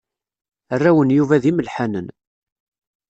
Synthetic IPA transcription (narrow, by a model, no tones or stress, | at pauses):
ərːæwənjuvæðiməlħænən